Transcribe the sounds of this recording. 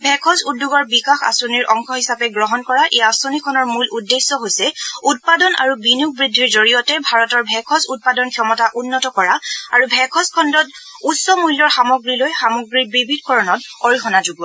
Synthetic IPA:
bʱɛkʰɔsudːuɡɔɹbikaxa̰sɔniɹʔɔŋxʰɔhisapɛɡɹɔɦɔnkɔɹaʔeasɔnikʰɔnɔɹmuludːesːɔɦojsɛut̚padɔna̰ɹubinuɡ̚bɹidʱːiɹzoɹijɔtɛbʱaɹɔtɔɹbʱɛkʰɔsut̚padɔnkʰjɔmɔtaʔunːɔtɔkɔɹaaɹubʱɛkʰɔskʰɔndɔt | utsɔmujlːɔɹxamɔɡɹilojxamɔɡɹiɹbɹibʱidkɔɹɔnɔtɔɹixɔnazuɡɔ

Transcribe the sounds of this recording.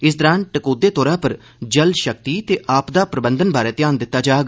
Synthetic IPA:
ɪs̬d̪əɾaːnʈəkoːd̪eːt̪ɔːɾãːpəɾ | d͡ʒəlʃəkt̪iːt̪eːʔaːpd̪aːpɾəbənd̪ənbaːɾeːt̪ɪjaːnd̪ɪt̪ːaːd͡ʒaːɡ

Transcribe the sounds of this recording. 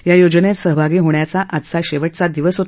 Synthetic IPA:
jajod͡ʑənet̪səɦbʱaɡiːɦoɳjat͡saʔat̪saɕeʋəʈ̚t͡sad̪iʋəsɦot̪

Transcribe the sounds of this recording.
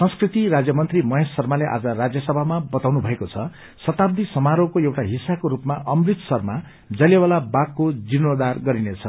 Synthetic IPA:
sʌ̃nskrit̪iɾad͡zjʌmʌnt̪rimʌɦesːʌrmaleʔa̰d͡zʌrad͡zjʌsʌbʱamabʌt̪awnubʱʌekot͡sʰʌ | sʌt̪ab̚d̪ʱisʌmaɾokoewʈaɦisakoɾupmaʔʌmrit̪sʌrma | d͡zʌlewalabakːod͡zinod̪arɡʌɾinet͡sʰʌ

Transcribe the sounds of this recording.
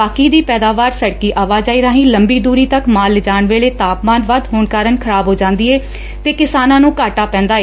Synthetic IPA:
aːkiːd̪iːpɛːd̪aːʋaːɾsəɽkiːʔaːʋaːd͡ʒaːiːɾaːɦĩːləmbiːd̪uːɾiːt̪əkmaːld͡ʒaːɳʋeːɭeːt̪aːpmaːnʋad̪ɦoːɳkaːɾənkʰəɾaːbɦoːd͡ʒãːnd̪iːeː | t̪eːkɪsaːnãːnũːkaːʈaːpɛ̃ːnd̪aːeː

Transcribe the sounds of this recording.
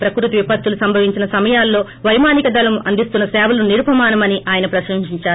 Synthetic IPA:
pɾɐkɾut̪iʋipɐt̪ːulusɐmbʱɐʋiɲt͡ʃinɐsɐmɐjaːlːo̞ː | ʋɐjmaːnikɐd̪ɐlɐmʔɐnd̪ist̪unːɐsɛːʋɐluniɾupɐmaːnɐmɐniʔaːjɐnɐpɾɐʃɐŋʃiɲt͡ʃaːɾ

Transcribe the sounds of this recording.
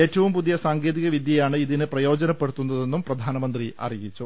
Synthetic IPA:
e̞ːtːɐʋumpuðijɐsaːŋɡe̞ːðiɣɐʋid̪ʱjɐjaːɳɨiðinɨprɐjo̞ːd͡ʑɐnɐpːe̞ɽut̪ːunːɐðe̞nːumprɐd̪ʱaːnɐmɐnd̪riɐ̰rijit͡ɕːu

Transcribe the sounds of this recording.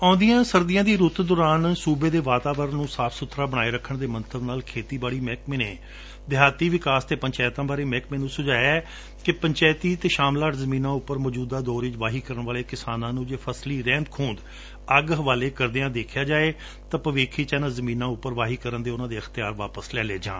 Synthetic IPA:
ãːnd̪ijãːsəɾd̪ɪjãːd̪iːɾʊt̪d̪ɔːɾaːnsuːbeːd̪eːʋaːt̪aːʋəɾənnːũːsaːpʰsʊt̪ʰɾaːbəɽ̃aːeːɾəkʰːəɳd̪eːmənt̪əbnaːlkʰeːt̪iːbaːɽiːmɛːkmeːnẽː | d̪ɪaːt̪iːʋɪkaːst̪eːpəɲt͡ʃɛːt̪ãːbaːɾeːmɛːkmeːnũːsʊd͡ʒaːjɛː | kɪpəɲt͡ʃɛːt̪iːt̪eːʃaːmlaːʈzəmĩːnãːʊpːəɾmɔːd͡ʒuːd̪aːd̪ɔːɾit͡ʃʋaːɦiːkəɾəɳʋaːleːkɪsaːnãːnũːd͡ʒeːpʰəsliːɾɛ̃ːnd̪kʰũːnd̪ | əɡɦəʋaːleːkəɾd̪eãːd̪eːkʰjaːd͡ʒaːeː | t̪ãːpəʋeːkʰiːt͡ʃɛːnãːzəmĩːnãːʊpːəɾʋaːɦiːkəɾənd̪eːʊnãːd̪eːəxt̪ɪjaːɾʋa̰ːpəslɛːleːd͡ʒa̰ː

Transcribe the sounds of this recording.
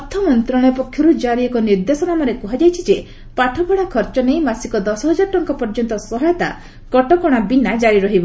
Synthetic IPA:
ɔt̪ʰɔmɔnt̪ɾɔɽ̃ɔjɔpɔkʰjɔɾud͡ʒaɾiɔkɔniɾd̪esɔnamɔɾekuɦad͡ʒajt͡ʃʰid͡ʒe | paʈʰɔpɔɽ̃akʰɔɾt͡ʃɔnejmasikɔd̪ɔsɔɦɔd͡ʒaɾɔʈɔŋkɔpɔɾd͡ʒɔnt̪ɔsɔɦɔjɔt̪a̰ | kɔʈɔkɔɽ̃abinad͡ʒaɾiɾɔɦibɔ

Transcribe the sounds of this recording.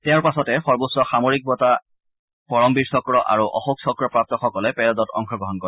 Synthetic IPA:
tɛʊ̃ɹpasɔtɛxɔɹbosɹɔxamoɹik̚bɔta | pɔɹɔmbiɹsɔkɹɔʔa̰ɹuʔɔ̰xuksɔkɹɔpɹap̚tɔxɔkɔlɛpɛɹɔdɔtɔ̰ŋxʰɔɡɹɔɦɔnkɔ

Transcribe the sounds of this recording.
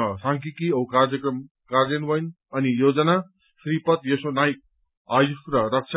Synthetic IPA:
saŋkikiʌukard͡zʌkrʌm | kardenbʌjn | ʌnijod͡zʌna | sɾipʌt̪jesonajk̚ | ajusɾʌɾʌk̚t͡ʃʰ

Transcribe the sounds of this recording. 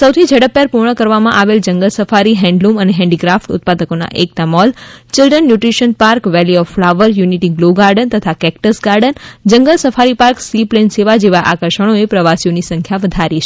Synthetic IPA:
səwt̪ʰid͡ʒʱəɽəpːɛɾpuɾɳəkəɾʋamãʔaʋeld͡ʒəŋɡəlsəfaɾiɦɛ̃ɳɖluməneɦɛ̃ɳɖiɡɾafʈʊ̰t̪̚pad̪əkona̰ʔek̚t̪amɔlt͡ʃɪlɖənːjuʈɾiʃənpaɾkʋɛliɔflaʋəɾjuniʈiɡloɡaɾɖənt̪ət̪ʰakɛkʈəsɡaɾɖənd͡ʒəŋɡəlsəfaɾipaɾksiplenseʋad͡ʒeʋaʔakəɾʃəɽ̃oepɾəʋasijonisə̃ŋkʰjaʋəd̪ʱaɾit͡ʃʰ

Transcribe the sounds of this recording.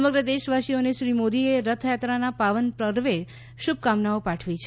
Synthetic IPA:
əməɡɾəd̪eʃʋaʃioneʃɾimod̪ieɾət̪ʰjat̪ɾanapaʋənpɾəɾʋe | ʃub̚kamnaopaʈʰʋit͡ʃʰ

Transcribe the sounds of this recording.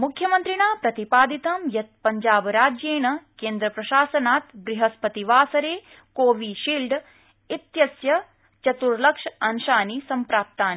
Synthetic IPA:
mukʰjɐmɐnt̪ɾiɳaːpɾɐt̪ipaːd̪it̪ɐmjɐt̪̚pɐɲd͡ʒaːbɾaːd͡ʒjeːɳɐkeːnd̪ɾɐpɾɐʃaːsɐnaːt̪bɾiɦɐspɐt̪iʋaːsɐɾeː | koːʋiʃiːlɖ | it̪jɐsjɐ | t͡ʃɐt̪uɾlɐkʂɐnʃaːnisɐmpɾaːp̚t̪aːni

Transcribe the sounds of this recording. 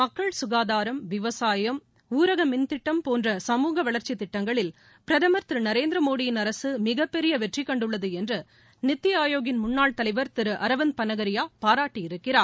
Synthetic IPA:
mɐkːɐɭsʊɣaːðaːɾɐmʋɪʋɐsaːjɐm | uːɾɐɣɐmɪnt̪ɪʈːɐmpoːndrɐsɐmuːɣɐʋɐɭɐɾt͡ʃit̪ːɪʈːɐŋɡɐɭɪl | pɪɾɐðɐmɐɾt̪ɾɯnɐɾeːnd̪ɾɐmoːɽɪjɪnɐɾɐsɯmɪɣɐpːɛɾɪjɐʋɛʈrɪkːɐɳɖɯɭːɐðɯɛndrɯ | nɪt̪ːɪjɐaːjoːɣɪnmʊɳːaːɭt̪ɐlɐɪʋɐɾt̪ɪɾɯʔɐɾɐʋɐn̚pɐnɐɣɐɾɪjaːpaːɾaːʈːijɪɾɯkːɪraːɾ

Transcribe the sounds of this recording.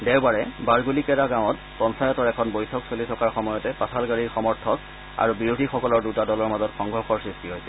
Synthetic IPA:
dɛwbaɹɛbaɹɡulikɛɹaɡãw̃ɔt | pɔnsajɔtɔɹɛkʰɔnbojtʰɔksolitʰɔkaɹxɔmɔjɔtɛpatʰalɡaɹiɹxɔmɔɹtʰɔk̚ | a̰ɹubiɹudʱixɔkɔlɔɹdutadɔlɔɹmazɔtxɔŋɡʱɔɹxɔɹsɹistiɦojsɛ

